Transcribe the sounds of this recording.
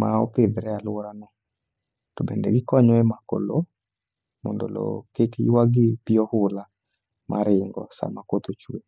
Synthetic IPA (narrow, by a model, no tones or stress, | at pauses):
maɔ̰peðɾɛalwɔɾanɔ | tobɛndɛ̰ɡikɔɲɔɛmako̰lo | mondolo̰kekwaɡipiɔhula | mʔa̰ɾɪŋɡɔ̰sa̰makot̪ot͡ʃue